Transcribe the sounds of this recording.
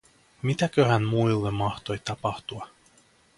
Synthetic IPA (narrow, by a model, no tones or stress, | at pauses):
mit̪ækøhænmuilːemːɑht̪o̞jt̪ɑpɑht̪uɑ